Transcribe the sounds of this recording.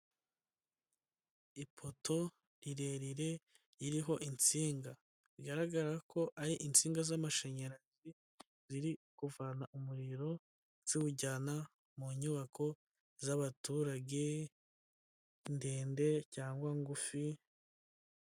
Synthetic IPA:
ipʰo̞to̞ | ɾiɾe̞ɾiɾe̞ | iɾiɦo̞ʔint͡siːŋɡa | ɾiɡaɾaɡaɾako̞ʔaɾiʔint͡siːŋɡazamaʃe̞ɲeɾazi | z̥iɾikuvanaʔumuɾiɾo̞ | z̥iuɟana | muɲuβakʰo̞ | zaβatuːɾaɟe̞ | ndeːnde̞caːŋɡwaŋɡufi

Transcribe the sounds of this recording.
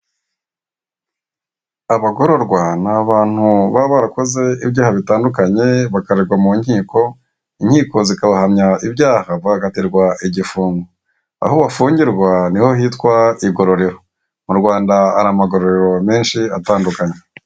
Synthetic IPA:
aβaɡo̞ɾo̞ɾɡwanaβaːn̥huβaβaɾako̞ze̞ibjaːhaβitaːndukaɲe̞βakaɾiɾɡwamuɲhiːko̞ | iɲhiːko̞zikaβahamɲaibjaːhaβaaɡatiɾɡwaiɟifuːŋɡo | a̰hoβafuːɲɟiɾɡwaniho̞ɦiːtkwaiɡo̞ɾo̞ɾe̞ɾo̞ | muɾɡwaːndaːɾamaɡo̞ɾoɾeɾo̞me̞ːnʃiataːndukaɲe

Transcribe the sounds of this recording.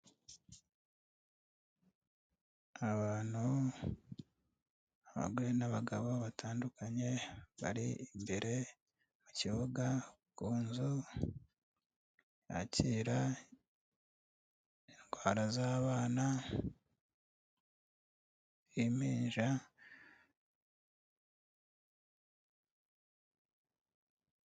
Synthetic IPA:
aβaːn̥hu | aβa̰ɡuenaβaɡaβo̞βataːndukaɲe̞βa̰ɾiːmbeɾe̞ | muciβuɡa | kuːnzu | ja̰ciːɾa | enɡwaːɾazaːβaːna | jimiːɲʒa

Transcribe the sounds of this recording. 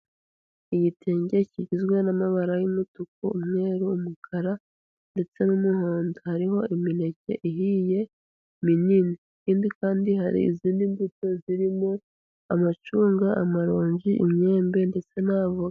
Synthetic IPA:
ijitʰeːɲɟe̞ciɟizɡwe̞namaβaɾajumutuk̚oumŋe̞ɾuːmukʰaɾa | nde̞t͡se̞numuhoːndohaɾiɦo̞imine̞ce̞̰ʔiɦije̞ | minini | ciːndikaːndiɦaɾḭḭziːndimbuto̞ziɾimo̞ | amat͡ʃuːŋɡaʔa̰maɾo̞ːɲɟiʔḭmɲe̞ːmbe̞nde̞t͡se̞nhaːβo

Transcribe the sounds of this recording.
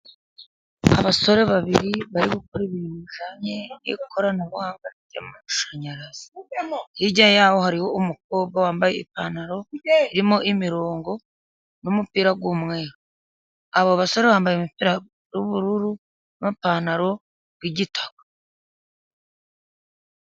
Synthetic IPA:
a̰βaso̞ɾe̞βaβiɾiβaɾiβukoɾiβinuʒaɲejḛkʰoɾanaβuaːŋɡaɾitia̰mumauʃaɲaɾaz̥i̥hiɟaɲjaːho̞haɾiho̞umuk̚o̞ːβ̚ɡawaːmbajeipaːnaɾo̞iɾimo̞ʔimiɾoːŋɡo̞ | numupiːɾaɡwumŋe̞ːɾo | aβoβaso̞ɾe̞βaːmbajemupiːɾa | ɾuβuɾuɾu | npanaɾo̞ | ɡwiɟitʰḁɡḁ

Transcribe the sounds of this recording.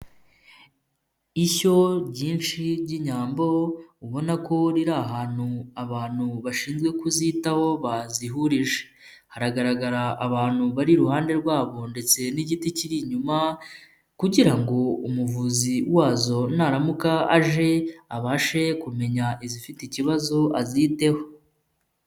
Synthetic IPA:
iço̞ɟiːnʃiɾɟiɲaːmbo̞uβo̞nako̞ɾiɾaɦaːn̥huaβaːn̥huβaʃiːnzɡwe̞kuzitaho̞βaziɦuɾiʒe̥ | haɾaɡaɾaɡaɾaːβaːn̥huβaɾiɾuhaːnde̞ɾɡwaːβo̞nde̞t͡se̞niɟiticiɾiɲuma | kuɟiɾaŋɡo̞umuvuziwaːzo̞naɾamukaaʒe̞aβaːʃe̞kume̞ɲaʔizifiticiβazo̞ʔaziːte̞ho̞

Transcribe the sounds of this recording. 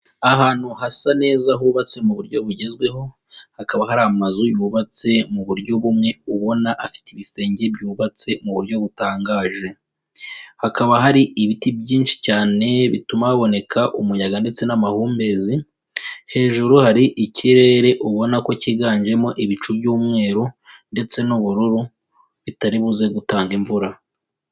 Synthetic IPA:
aɦaːn̥huɦasane̞ːzaɦuːβat͡se̞muβuɾɟo̞βuɟe̞zɡwe̞ɦo̞ | hakaβaɦaɾiamazujuːβat͡se̞muβuɾjo̞βumŋe̞uβo̞naʔafi̥tiβise̞ːɲɟebjuːβat͡se̞muβuɾɟo̞βutaːŋɡaːʒe̞ | hakaβaɦaɾiiβitibjiːnʃi̥caːne̞βitumaaβo̞ne̞kʰaʔumujaɡande̞t͡se̞namahuːmbe̞ːzi | he̞ːʒuɾuhaɾiʔicʰiɾe̞ːɾe̞ʔuβo̞nako̞ciɡaːnd͡ʒe̞mo̞ʔiβit͡ʃubɟuːmŋe̞ːɾo | nde̞t͡se̞nuβuɾuɾu | βitaɾiβuze̞ɡutaːŋɡiɱvuɾa

